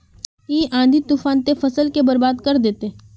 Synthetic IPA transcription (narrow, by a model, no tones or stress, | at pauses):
iːãːnd̪ʱit̪uːfaːnt̪efɐsəlkebɐɾbaːd̪kɐɾd̪eːt̪e